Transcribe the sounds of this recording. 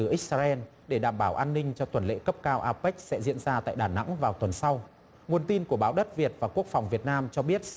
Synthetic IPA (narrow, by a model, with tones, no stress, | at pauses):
ɨ˨˩ʔi˦˥k̟̚saː˧ʔɛ˧n | ɗe˧˩ɗaː˧˩mɓaː˧˩wʔaː˧nːï˧ŋ̟t͡ɕɔ˧t̪wə˨˩nlḛ˧˥kə˦˥p̚kaː˧wʔaː˧pa˦˥k̟̚sɛ̰˧˥zḭ˧˥ənzaː˧t̪a̰ː˧˨jɗaː˨˩na̰˧˥ŋvaː˨˩wt̪wə˨˩nsa˧w | ŋu˨˩ənt̪i˧nku˧˩əɓaː˨˦wɗə˦˥t̚vi˨˩ət̚vaː˨˩ku˦˥ək̚fa˨˩wŋ͡mvi˨˩ət̚naː˧mt͡ɕɔ˧ɓi˦˥ət̚